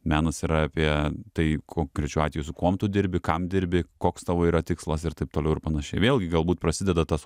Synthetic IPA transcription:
mʲæːnɐsiːɾɐɑpʲiɛt̪ɐɪkʰoːkɾʲɛt͡ʃʲʊɑːt̪ʲʋʲɛjʊsʊkuɔmt̪ʊd̪ʲɪɾʲbʲɪkɐmd̪ʲɪɾʲbʲɪkoːkst̪ɑːʋoːiːɾɐt̪ʲɪkslˠɐsɪrt̪ɐɪpt̪oːlɛʊɪrpɐnɐʃʲɛɪʋʲeːlʲˠɡʲɪɡɐlˠbuːt̪̚pɾɐsʲɪd̪ʲɛd̪ɐt̪ɐs

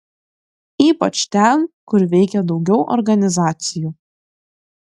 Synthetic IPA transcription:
iːpɐt͡ʃt̪ʲɛnkʊɾʋʲɛɪkʲɛd̪ɒʊɡʲɛʊʔɔ̰ɾɡɐnʲɪzɑːt̪sʲɪjuː

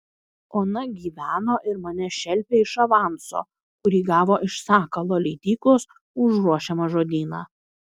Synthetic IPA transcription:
oːnɐɡʲiːʋʲæːnoːʔɪɾmɐnʲɛʃʲɛlʲˑpʲeːɪʃɐʋɑˑnso̰ː | kʊɾʲiːɡɑːʋoːʔɪʃsɑːkɐlˠoːlʲɛɪt̪ʲiːklˠos | ʊʒɾuɔʃʲɛmɐʒoːd̪ʲiːnɑ̰ː

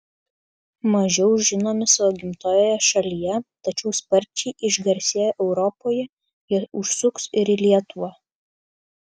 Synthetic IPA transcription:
mɐʒʲɛʊʒʲɪnoːmʲɪsɐʋoːɡʲɪmt̪oːjoːjɛʃɐlʲijɛt̪ɐt͡ʃʲɛʊspɐɾʲˑt͡ʃʲɛɪʔɪʒɡɐɾʲsʲeːjoːʔɛʊɾɔpoːjɛ | ɛʊʃsʊksɪɾɪlʲiɛt̪uʋɐ

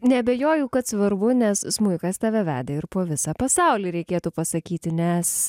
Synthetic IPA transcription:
nʲɛɐbʲɛjoːjʊkɐt̪sʋɐrbʊnʲɛssmʊɪkɐst̪ʲæːʋʲɛʋʲæ̰ːd̪ʲeɪɾpoːʋʲɪsɑːpɐsɑʊlʲiːɾʲɛɪkʲeːt̪uːpɐsɐkʲiːt̪ʲɪnʲɛs

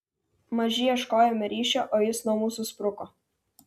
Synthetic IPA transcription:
mɐʒʲɪjɛʃkɔːjomʲɛɾʲiːʃʲɛʔoːjɪsnuɔmuːsʊspɾʊkɔ

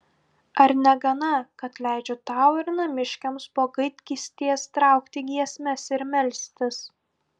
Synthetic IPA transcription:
ɐɾnʲɛɡɐnɐkɐt̪lʲæˑɪd͡ʒʲot̪ɑˑʊɪɾnɐmʲɪʃʲkʲɛmspoːɡɐɪt̪ʲkʲiːsʲt̪ʲiɛst̪ɾɑˑʊkt̪ʲɪɡʲiɛsʲmʲɛsɪɾmʲɛlʲsʲt̪ʲɪs

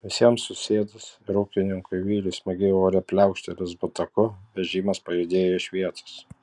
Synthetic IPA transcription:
ʋʲɪsʲiɛmsʊsʲeːd̪ʊsɪɾuːkʲɪnʲɪŋkʊɪʋʲiːlʲɪsmʲɐɡʲeːoːɾʲɛpʲlʲɛʊkʃʲt̪ʲɛlʲɪsbʊt̪ɐkʊʋʲɛʒʲiːmɐspɐjɛd̪ʲeːjoɪʃʲʋʲiɛt̪o̥s

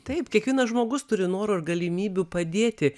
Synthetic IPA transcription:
t̪ɐɪpkʲiɛkʋʲiɛnɐsʒmoːɡʊst̪ʊɾʲɪnoːɾoːɪɾɡɐlʲɪmʲiːbʲupɐd̪ʲeːt̪ʲɪ

